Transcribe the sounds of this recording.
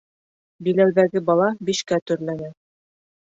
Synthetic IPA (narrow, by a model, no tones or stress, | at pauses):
bilæwðæɡɘbɑlˠɑbiʃkæt̪ɵ̆ɾlænæ